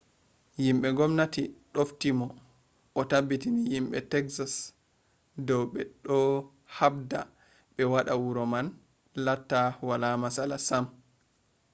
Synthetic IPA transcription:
jimɓɛŋɡɔmnatiɗoftimɔ | ʔːtabːitinijimɓɛ̰tɛksas | dɔwɓɛɗɔ | habda | ɓɛwaɗawuɾɔman | latːawalamasalasam

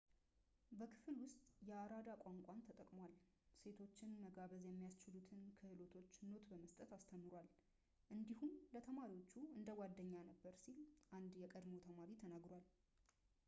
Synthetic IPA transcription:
bəkʰɨ̥flwʊst̪ʼjɛaɾad̪akʷʼaŋkʷʼant̪ʰət̪ʼəkʼmwal | se̞t̪ʰo̞t͡ʃːɪnməɡaβəzjɛmːijast͡ʃɪlut̪ʰɨnkʰəhɨlo̞t̪ʰo̞t͡ʃːno̞t̪bəməst̪ʼət̪ast̪ʰəmːɨɾwal | ʔɨnd̪ihumlət̪ʰəmaɾiwot͡ʃːuɨnd̪əwad̪ːəɲːanəbːəɾsilʔand̪jɛkʼəd̪mo̞t̪ʰəmaɾit̪ʰənaɡɾwal

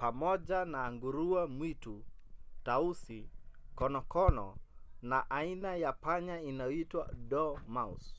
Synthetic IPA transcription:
pamɔd͡ʒanaːŋɡuɾuamwitu | tausikɔnɔkɔnɔ̰naʔainajapaɲainaɔitwa̰dɔmaṵs

